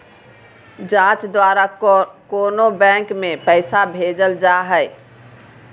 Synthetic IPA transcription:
d͡ʒãt͡ʃd̪waɾakonobɛ̃ŋkmepəɪsabʱed͡ʒəld͡ʒaɦəɪ

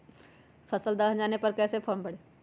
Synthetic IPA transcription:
fʰɐsəld̪aːɦd͡ʒaːnepɐɾkɛːsepʰoːmbɐɽeː

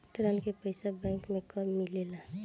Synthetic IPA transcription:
t̪ɾankepəjsabɛ̃ŋkmekɔmilela

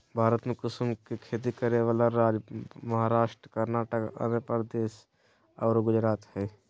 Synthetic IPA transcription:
bʱaːɾət̪mekʊsmkikʰeːt̪̬ikəɾeʋaːlaɾaːd͡ʒmɐɦaːɾaːʃʈɾəkəɾnaːʈəkə̰nepəɾd̪eːʃ | ɔːɾɡʊd͡ʒɾaːt̪hɛː

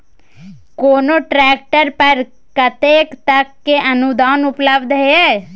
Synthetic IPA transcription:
koːnoːʈɾɛːk̚ʈəɾpəɾ | kət̪eːkt̪əkːeʔənʊd̪aːnʊpləbd̪ɦeɛː

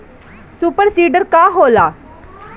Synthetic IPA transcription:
suːpəɾsiːɖəɾkaːɦoːlaː

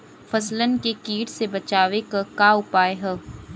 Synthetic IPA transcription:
fʰɐslənkekiːʈsebɐt͡ʃaːʋekakaːʊpaːeɦɐ

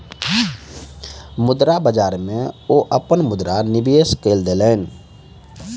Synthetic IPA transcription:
mʊd̪ɾabəd͡ʒaːɾmẽoːʔəpənmʊd̪ɾanɪbeːskeːld̪eːleːn

